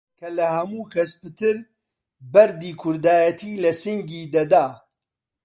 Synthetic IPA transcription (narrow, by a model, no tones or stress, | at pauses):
kʰɐlɐhɐmuːkʰɐspɨt̪ɨɾ | bɐɾd̪iːkʰʊɾd̪aːjɐt̪ʰiːlɐsɨŋɡiːd̪ɐd̪aː